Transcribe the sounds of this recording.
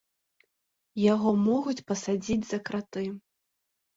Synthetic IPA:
jaɣɔmɔɣut͡sʲpɐsad͡zʲid͡zʲzɐkɾat̪ɨ

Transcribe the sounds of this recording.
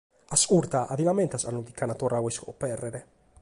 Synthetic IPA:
asuɾt̪aʔaðilamɛnt̪asanud̪ikːanat̪ɔrʔawɛskɔ̰pɛrːeɾe

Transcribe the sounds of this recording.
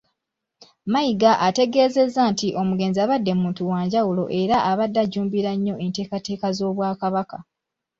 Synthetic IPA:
majiɡaʔate̞ɡe̞ːze̞zːantiʔo̞muɡe̞ːnziaβadːe̞muːntuwaːɲɟawulo̞̰ʔe̞ɾaʔaβadːaɟuːmbiɾaɲːo̞e̞nte̞ːkate̞ːkazo̞ːβwaːkaβaka

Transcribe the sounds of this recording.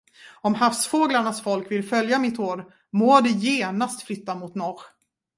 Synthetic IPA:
ɔmhafsfoːɡlaɳasfɔlkvɪlfœljamɪt̪oːɾ | moːd̪ɛjeːnast̪flʏt̪ːamʊt̪nɔɾ

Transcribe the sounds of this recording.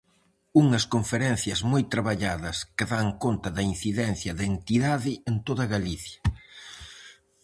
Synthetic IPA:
uŋɐskoɱfeɾɛn̟θjɐzmojt̪ɾaβaʎaðɐskɪðaŋkont̪ɐðɐin̟θiðɛnθjɐðent̪iðaðɪent̪oðɐɣaliθjɐ̥

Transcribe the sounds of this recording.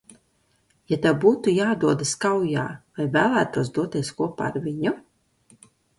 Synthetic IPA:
jat̪abuːt̪ujaːd̪uɔd̪ɨskawja̰ːvajvæːlˠæːt̪uɔsd̪uɔt̪ʲiɛskuɔpa̰ːɾvʲiɲu

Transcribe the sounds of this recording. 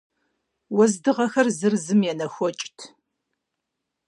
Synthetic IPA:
wɔzdɨʁɐxɐrzɨrzɨmjɛnɐxʷɔt͡ʃʼtʰ

